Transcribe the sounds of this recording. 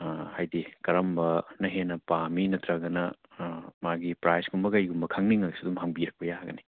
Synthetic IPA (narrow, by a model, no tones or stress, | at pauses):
hajdikɐɾɐmbɐnɐɦenɐpaminɐt̪ɾɐɡɐnɐ | maɡipɾajsɡumbɐkɐjɡumbɐkʰaŋniŋɐisidumɦɐŋbiɾɐk̚pɐjaɡɐni